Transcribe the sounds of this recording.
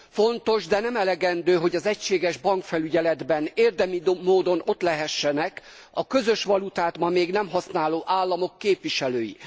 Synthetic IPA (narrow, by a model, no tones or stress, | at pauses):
fo̞nt̪o̞ʒd̪ɛnɛmɛlɛɡɛnd̪øːɦo̞ɟɒzɛcʃeːɡɛʒbɒŋkfɛlyɟɛlɛd̪bɛneːrd̪ɛmid̪moːd̪o̞no̞t̪lɛɦɛʃːɛnɛk | ɒkø̞zø̞ʃʋɒlut̪aːt̪mɒmeːɡnɛmɦɒsnaːloːʔaːlːɒmo̞kːeːpʋiʃɛløːjḭ